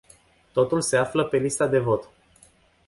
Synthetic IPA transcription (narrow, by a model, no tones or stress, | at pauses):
t̪o̞t̪ulse̞afləpe̞list̪ad̪e̞vo̞t̪